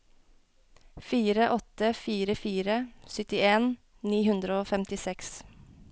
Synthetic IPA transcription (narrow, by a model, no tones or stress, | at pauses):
fiːɾəʔɔt̪əfiːɾəfiːɾəsʏt̪ɪeːn | niːhʉnd̪ɾəoːfɛmt̪ɪsɛks